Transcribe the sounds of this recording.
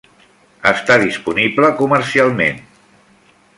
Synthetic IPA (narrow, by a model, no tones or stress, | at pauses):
ə̰st̪aðispunibləkuməɾsialˠmḛn